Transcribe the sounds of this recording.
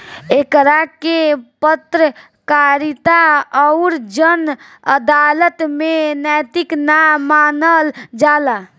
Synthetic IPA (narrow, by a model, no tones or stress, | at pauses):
eːkɾakepət̪ɾə | kaːɾɪt̪aɔʊɾd͡ʒən | əd̪aːlət̪mẽnɛːt̪ɪknamaːnəld͡ʒaːla